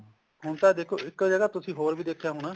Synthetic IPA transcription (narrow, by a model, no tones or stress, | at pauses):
ɦʊɳt̪aːd̪eːkʰoːɪkːd͡ʒəɡaːt̪ʊsĩːɦoːɾbiːd̪eːkʰjaːɦʊñaː